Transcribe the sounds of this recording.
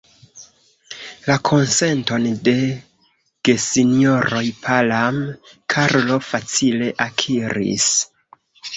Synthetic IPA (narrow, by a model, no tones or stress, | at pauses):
lakʰo̞nse̞nto̞nde̞ | ɡ̥e̞sinioɾo̞jpʰalamkʰaɾlo̞fat͡sile̞ʔakʰiɾḭs